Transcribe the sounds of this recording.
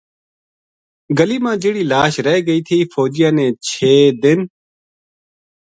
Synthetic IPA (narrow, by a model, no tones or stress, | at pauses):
ɡəliːmãːd͡ʒɪɽiːlaːʃɾəeːɡəiːt̪ʰiːfʰoːd͡ʒɪjãːnẽːt͡ʃʰeːd̪ɪn